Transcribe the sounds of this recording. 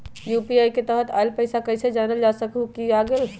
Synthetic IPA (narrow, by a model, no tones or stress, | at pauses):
jupiajket̪əɦət̪a̰jlpəjsakəɪsed͡ʒanəld͡ʒasəkukiaɡel